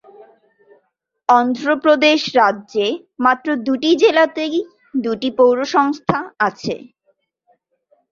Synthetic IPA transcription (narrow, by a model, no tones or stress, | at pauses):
ɔnd̪ɾopɾod̪eʃɾadːʑe | mat̪ːɾod̪uʈid͡ʑelat̪e | d̪uʈipowɾoʃɔŋst̪ʰaat͡ɕʰḛ